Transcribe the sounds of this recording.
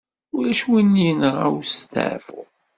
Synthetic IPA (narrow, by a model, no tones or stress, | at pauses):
ʊlæʃwinːinəʁæ̰wst̪ə̰ʕfʊ̰